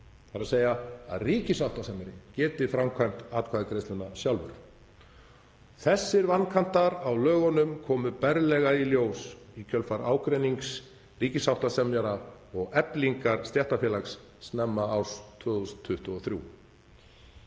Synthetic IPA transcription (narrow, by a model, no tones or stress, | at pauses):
θaɾaseːjaa̰ðriːcɪsawht̪asɛmjɛɾɪcɛːt̪ɪfɾamkʰvajm̥t̪aːt̪kʰaːðakɾejst̪ʏnːasjawlvʏ̰ɾ̥ | θɛsːɪɾvanːkʰan̥t̪aɾawlœːɣɔnʏmkʰɔːmʏpɛɾlɛɣailjoːwsicʰœlfaɾaːwkɾeniŋks | riːcɪsawht̪asɛmjaɾaɔɣɛpliŋkaɾ̥st̪jɛht̪afjɛlaksː | nɛmːaːwst̪ʰvœːɣst̪ʰːʏht̪ʏɔθɾjṵ